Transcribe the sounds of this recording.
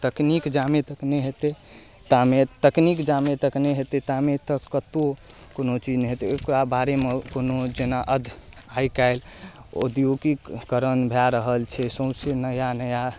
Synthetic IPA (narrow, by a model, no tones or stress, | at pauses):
t̪əknikd͡ʒamet̪əkneɦet̪e | t̪amet̪əknikd͡ʒamet̪əkneɦet̪et̪amet̪əkːət̪o | konot͡ʃid͡ʒnɛɦet̪ekɾabaɾemekonod͡ʒenaʔəd̪ʱaikaɪlo̰d̪ijoɡikːəɾənbʱeaɾəɦəlt͡ʃʰɛsə̃ʊ̃senəjanəja